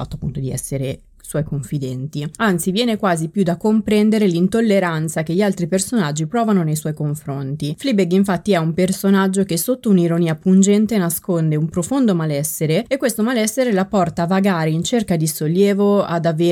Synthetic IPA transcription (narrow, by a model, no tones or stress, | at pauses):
a̰t̪ːoapːunt̪od̪iɛ̰sːeɾe | swɔjkoɱfid̪ɛnt̪iant̪sivjɛːnekwaːzipjud̪akːompɾɛnd̪eɾelint̪olːeɾant̪sak̟eʎialt̪ɾipersonad͡ʒːipɾɔːvanonejswɔjkoɱfɾont̪iflibeɡiɱfat̪ːiɛumpersonad͡ʒːokesot̪ːouniɾoniːapund͡ʒɛnt̪enaskond̪eumpɾofond̪omalɛsːeɾeekːwest̪omalɛsːeɾelapɔrt̪avaɡaːɾeint͡ʃerkad̪isolːjɛːvoa̰d̪ave